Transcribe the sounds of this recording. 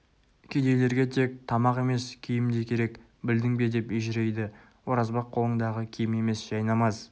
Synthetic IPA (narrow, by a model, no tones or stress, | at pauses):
kʲʰed̪e̞jle̞ɾɡʲe̞t̪ʰe̞k̚t̪ʰɑmɑqe̞me̞skʲʰejɪmd̪ekʲʰe̞ɾe̞k | bɪld̪ɪŋbe̞d̪e̞peʒɪɾe̞jd̪ɪ | wo̞ɾɑzbɑqʰːolˠəɴd̪ɑʁəkʲʰejme̞me̞sʒ̥ɑjnɑmɑz